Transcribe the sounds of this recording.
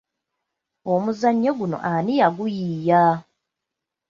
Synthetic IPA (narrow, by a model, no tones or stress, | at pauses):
omuzaɲːoɡuno̰ʔanijaɡujiːja